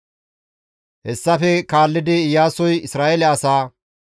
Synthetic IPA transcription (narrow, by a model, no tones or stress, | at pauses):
hɛsːɐfɛkaːlːɪd̪ɪjaːsɔjɪsɾaːʔɛlɛɐsaː